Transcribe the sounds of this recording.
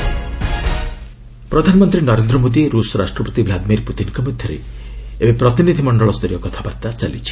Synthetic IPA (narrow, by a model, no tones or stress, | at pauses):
pɾɔd̪ʱanɔmɔnt̪ɾinɔɾend̪ɾɔmod̪iɾusɔɾaʃʈɾɔpɔt̪ibʱlad̪miɾput̪inkɔmud̪ʱjɔɾḛ | ebepɾɔt̪inid̪ʱimɔɳɖɔɭɔst̪ɔɾijɔkɔt̪ʰabaɾt̪at͡ʃalḭt͡ʃʰi̥